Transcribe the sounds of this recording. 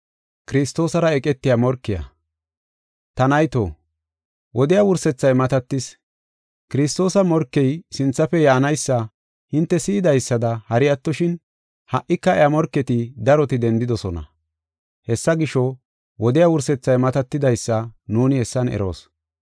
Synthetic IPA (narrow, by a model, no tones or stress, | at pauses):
kɪɾɪst̪o̞ːsɐɾɐɛkʼɛt̪ːɪjɐmɔɾkːɪjɐ̰ | t̪ɐnɐjt̪oː | wʔɔd̪ɪjawʊɾsɛt͡sːɐjmɐt̪ɐt̪ːɪs | kɪɾɪst̪o̞ːsɐmɔɾkːɛjsɪnt͡sːɐfɛjaːnɐjsːɐ | hɪnt̪ːɛsiːd̪ɐjsːɐd̪ɐhɐɾɪjɐt̪ːɔʃɪn | hɐʔːɪkːɐɛjamɔɾkːɛt̪ɪd̪ɐɾɔt̪ɪd̪ɛnd̪ɪd̪ɔsɔnɐ̰ | hɛsːɐɡɪʃɔ | wɔd̪ɪjawʊɾsɛt͡sːɐjmɐt̪ɐt̪ːɪd̪ɐjsːɐnuːnɪhɛsːɐnɛ̰ɾo̞̰ːs